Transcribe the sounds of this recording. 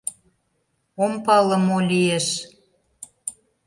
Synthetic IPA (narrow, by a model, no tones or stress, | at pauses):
ompɑlə̆molʲieʃ